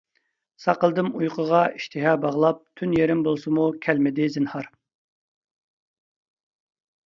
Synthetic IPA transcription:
sɑqəlˠd̪ɨmujqʰəʁɑiʃt̪ʰɪɦɑːbɑʁlˠɑp̚t̪ʰynjeɾɪmbolˠsɨmukʲʰɛlmɪd̪ɪzɪnhɑɾ

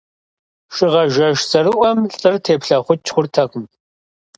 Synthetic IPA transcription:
ʂʼɪʁɐʒɐʒsɐɾɨʔʷɔmɬʼɨrtʰeːpɬɐχʷʊt͡ʃχʷʊrtʰɐχm

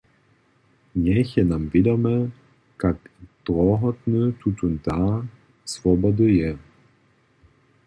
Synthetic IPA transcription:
ɲɛçɛnamvɪd̪ɔmɛ | kakd̪̥ɾɔɦɔt̪nət̪ʰut̪unt̪a | svɔbɔd̪ɨjɛ

